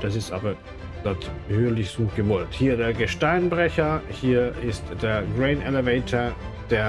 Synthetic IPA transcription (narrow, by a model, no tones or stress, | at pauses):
d̥asɪstʔa̰ːbɐ | d̥at | høːɐlɪçsuːtɡ̥əvɔlthiːɐdeːɐɡəʃtaɪnbʁɛçɐhiːɐʔɪstd̥eːɐɡʁeɪnɛleveɪtʰɐd̥eːɐ